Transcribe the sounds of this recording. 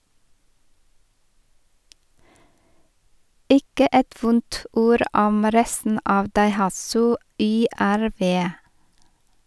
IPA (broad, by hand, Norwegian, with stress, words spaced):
ˈɪkə ˈɛt ˈʋʊnt ˈuːɾ ˈɔm ˈɾɛstn̩ ˈɑːʋ dɑɪˈhɑsʉ ˌʏˌæɾˈʋeː